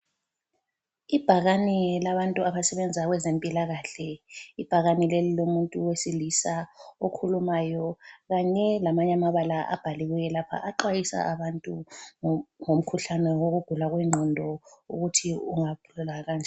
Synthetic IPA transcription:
ib̥ʱaɣanɛlaβantʼuaβasɛβɛnd͡zʱaɣwɛzempʼilaɣaːɬɛib̥ʱaɣanilelilomuntʼuwesilisaokʰulumaːjɔɣaɲɛlamaɲamaβalaʔa̰b̥ʱaliɣujɛlapʰa̰ʔaǃwajisa̰ʔaβantʼu | ŋom̩kʰuɬanɛwoɣuɡ̥ʱulaɣwɛŋ͡ǀʱɔndʱɔṵɣutʰiuŋakululaɣaːnd͡ʒʱɛ

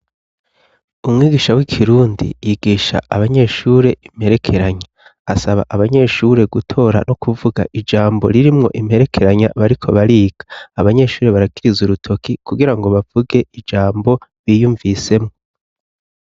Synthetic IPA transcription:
umŋiːɡiːʃawikʰiɾuːndḭjiɡiːʃa̰ʔaβaɲe̞ʃuːɾe̞im̥he̞ɾe̞kʰe̞ɾaɲa | asaβa̰ʔaβaɲe̞ʃuɾe̞ɡutʰo̞ːɾa̰no̞kuvuɡa̰ʔid͡ʒaːmbo̞ɾiɾimŋo̞̰ʔimhe̞ɾe̞kʰe̞ɾaɲa̰βaɾikʰo̞βaɾiːɡ̥ḁːβaɲe̞ʃuːɾe̞βaɾakiɾizuɾutʰo̞kikuɡiɾaŋɡo̞βavuɡe̞id͡ʒaːmbo̞βiːjuːɱvise̞mŋo̞

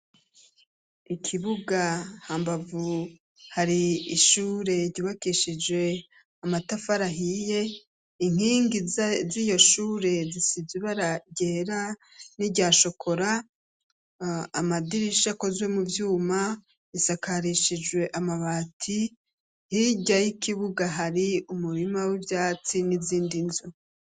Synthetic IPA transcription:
ikʰiβuɡahaːmbavu | haɾiiʃuːɾe̞ɾɟiβakiʃid͡ʒwe̞ | amatafaɾaɦije̞ | iŋ̥hiːŋɡizijo̞ʃuːɾe̞zisiziβaɾaɟeːɾa | niɟaːʃo̞kʰo̞ɾa | amadiɾiʃako̞zwe̞muvjuːma | βisakʰaɾiʃid͡ʒɡwe̞ʔamaβaːtʰi | hiɟajikiβuɡaɦaɾiumuɾimawibjaːt͡siniziːndinzu

